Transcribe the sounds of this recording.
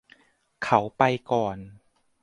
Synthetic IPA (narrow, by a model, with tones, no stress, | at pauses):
kʰa˦˥wpa˧jkɔː˨˩n